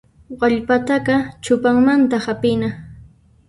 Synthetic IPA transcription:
ɢɑʎpat̪aɢɑt͡ʃʊpaŋmant̪ahapɪna

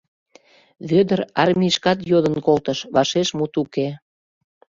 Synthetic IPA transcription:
βød̪əɾɑrmʲiʃkɑt̪jod̪ənkolt̪əʃβɑʃeʃmut̪uke

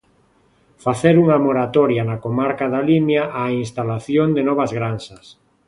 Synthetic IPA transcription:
faθeɾuŋamoɾat̪oɾjanakomaɾkaðalimjaʔainst̪alaθjond̪enɔβ̞azɣɾansas

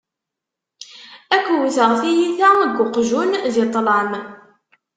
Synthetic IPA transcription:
ækʷːwθəʁθijiθæɡʊqʒunðɪt̪ˤːləm

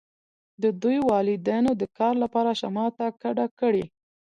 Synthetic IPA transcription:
d̪əd̪ujwɑlɪd̪anod̪əkɑɾlapɑɾaʃamɑt̪akaɖakəɽi

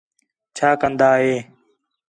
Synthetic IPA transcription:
t͡ʃʰaːkənd̪aːɦeː

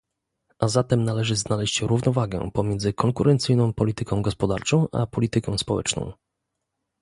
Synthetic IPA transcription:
ʔazat̪ɛmnalɛʐɘznalɛɕt͡ɕɾuvnɔvaɡɛ̰pɔmʲjɛnd̪zɘkɔŋkuɾɛnt̪sɘjnɔ̃w̃pɔlʲit̪ɘkɔ̃w̃ɡɔspɔd̪aɾt͡ʂɔ̃w̃ʔa̰pɔlʲit̪ɘkɔ̃w̃spɔwɛ̰t͡ʂnɔ̰̃w̃

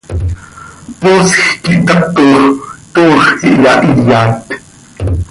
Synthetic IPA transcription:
poːsxkiʔt̪ɑt̪oχt̪oːχkḭʔjɑʔiljaːt̪

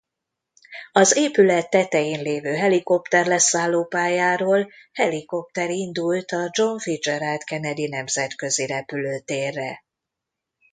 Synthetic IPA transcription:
ɒzeːpylɛt̪ːɛt̪ɛjeːnleːvøːɦɛliko̞pt̪ɛrlɛsaːlːoːpaːjaːɾoːlhɛliko̞p̚t̪ɛɾind̪ult̪ɒd͡ʒo̞ɱfid͡ʒɛɾalt̪kɛnɛd̪inɛmzɛt̪kø̞ziɾɛpyløːt̪eːrːɛ

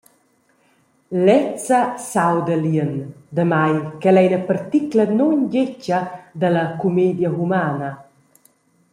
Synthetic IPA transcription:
lɛt͡səsawd̪əliənd̪əmajkɛlɛjnəpəɾt̪iklənɔnɟecəd̪əlɐkumed̪jəɣumaːnɐ

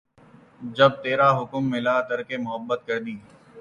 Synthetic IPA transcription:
d͡ʒɐb̚t̪eːɾaɦʊkmːɪlat̪ɐɾkemʊɦəbːət̪̚kɐɾd̪iː

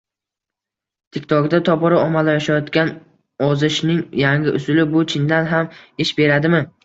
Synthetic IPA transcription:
t̪ʰɪkʲt̪ʰɒɡd̪at̪ʰɒpɒɾaɒmalajaʃajɒt̪kʲan | ɒzɪʃnɪŋjaŋʲɪʔʊ̰sʊlɪbʊt͡ʃʰɪnd̪anɦamɪʃbe̞ɾad̪ɪmɪ

